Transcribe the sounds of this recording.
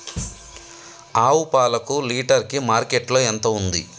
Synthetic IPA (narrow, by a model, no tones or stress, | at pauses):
aːwupaːlɐkuliːʈɐɾkimaːɾkeʈlo̞ːent̪ɐund̪ḭ